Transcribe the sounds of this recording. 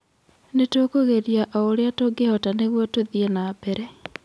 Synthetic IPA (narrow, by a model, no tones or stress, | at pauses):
netokoɣeɾjaʔɔoɾeatoɡehɔtaneɣwɔtoðienaːbɛɾɛ